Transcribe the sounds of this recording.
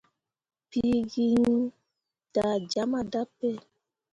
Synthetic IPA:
pi˦ɡi˦ŋ˦ | d̥a˨d͡ʒa˨˦ma˦da˦pɛ˦˨

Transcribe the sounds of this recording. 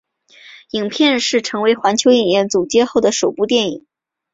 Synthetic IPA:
i˨˩ŋpʰjɛ˥˧nʂɻ̩˥˩ʈ͡ʂʰɤ˧˥ŋwe˧˥ɪxwa˧˥nt͡ɕʰjo˧˥ʊi˨˩ŋjɛ˥˩nt͡su˨˩t͡ɕjɛ˥xo˥˩ʊd̪ə˩ʂo˨˩ʊpu˥˧t̪jɛ˥˩nḭ˨˩˦ŋ

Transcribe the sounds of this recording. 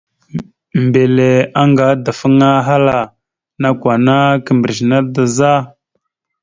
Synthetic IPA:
mbe˨le˨a˦ŋɡa˨˦da˨fə˦ŋa˦ɦa˦la˨ | na˦kʷwa˨na˦kə˨mbə˨ɾzna˦da˨za˦

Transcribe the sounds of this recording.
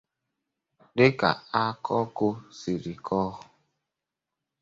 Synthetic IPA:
dɪ˦ka̰˨a˦kʰɔ˦ko˦si˨ɾi˨kʰɔ˦ɦʊ˨

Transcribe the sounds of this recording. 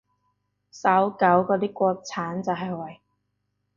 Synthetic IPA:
sɐ˨˥wkɐ˨˥wkɔː˨˧t̪iː˥kʷɔː˧k̚t͡sʰaː˨˥nt͡sɐ˨wɦɐ˨jwɐ˨˩j

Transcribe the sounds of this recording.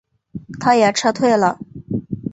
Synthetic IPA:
t̪ʰa˥jɛ˨˩ʈ͡ʂʰɤ˥t̪ʰwe˥˩ɪlə˩

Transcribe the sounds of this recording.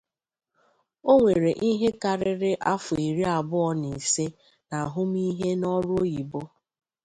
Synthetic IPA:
o˦ŋʷe˨ɾe˨ʔi˦ɦe˦ka˨ɾɪ˦ɾɪ˦ʔa˦fʊ˨e˨ɾi˦a˨bʊ˦ɔ˦ne˨se˦ | na˨ɦʊ˦m˦i˦ɦe˦nɔ˦ɾʊ˦o˦ji˨bo˦

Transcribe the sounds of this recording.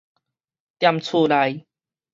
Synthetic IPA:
t̪ja˧mt͡sʰuː˥˧la˧j

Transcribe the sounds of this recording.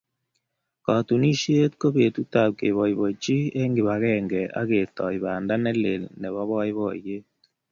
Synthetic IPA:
kɔ˨tu˨ni˦ʃje˦tko˦be˨t̪u˦ta˨p̚ke˨βɔ˨ɪ˨bo˨t͡ʃi˦e˦ŋɡɪ˨βa˨ɣɛ˦ŋɡɛ˨a̰˦ɡe˨tɔ˨ɪ˨ba˨nda˦nɛ˦lḛ˨lnɛ˨βa˦βɔ˦ɪ˦βɔ˨je˦

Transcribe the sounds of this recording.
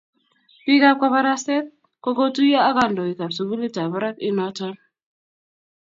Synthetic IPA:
pi˦ka˦p̚ka˦βa˦ɾa˦sɛ˦t̪̚ | ko˦ko˦tu˦ja˦a˦ka˦ndɔ˨i˨ka˨bsu˨bu˦li˦ta˨βa˦ɾa˦ki˦nɔ˦tɔ˦n

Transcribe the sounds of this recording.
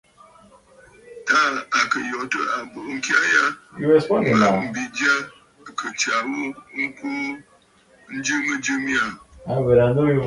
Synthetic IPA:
ta˦a˨kə˨jɔ˨tə˦a˨bo˨ʔŋ̩˦kja˦ja˦ju˦ɛ˦˨spɔ˦˨a˦a˨m̩˨bi˨d͡ʒa˦˨ | kʰə˨t͡ʃa˨wu˦ŋ̩˦ku˦ | n̩˦d͡ʒɨ˦mə˦d͡ʒɨ˦mja˦˨a˨bə˨ɾa˨n˦do˦ju˦

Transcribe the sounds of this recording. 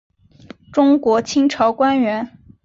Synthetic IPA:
ʈ͡ʂʊ˥ŋkwɔ˧˥t͡ɕʰi˥ŋʈ͡ʂʰɑ˧˥ʊkwa˥nɥɛ˧˥n

